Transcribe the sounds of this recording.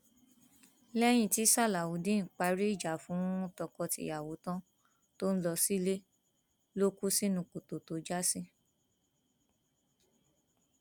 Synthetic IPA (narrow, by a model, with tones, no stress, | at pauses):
lɛ˦j̃ĩ˧˨ti˨˦sa˦˨la˨wu˨˦dĩ˦n̩˨k͡pa˧˦ɾi˦i˦˨d͡ʒa˨fũ˨˦ɔ̃˦tɔ˧kɔ˧tḭ˧˨ja˨wo˨˦tã˦ | to˦n̩˦lɔ˧si˦le˦ | lo˦ku˦si˦nũ˨ko˨to˨to˨˦d͡ʒa˦si˦